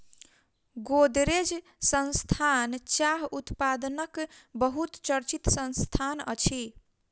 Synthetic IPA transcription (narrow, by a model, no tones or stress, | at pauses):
ɡod̪ɾed͡ʒ | sənst̪ʰant͡ʃaɦut̪pad̪ənəkbəɦut̪t͡ʃəɾt͡ʃit̪sə̃nst̪ʰanə̰t͡ʃʰi